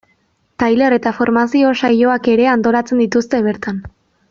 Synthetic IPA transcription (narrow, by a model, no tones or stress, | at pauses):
t̪ajle̞ɾe̞t̪afo̞ɾmasio̞sajo̞ake̞ɾe̞ant̪o̞ɾat͡se̞nd̪it̪ust̪e̞β̞e̞ɾt̪an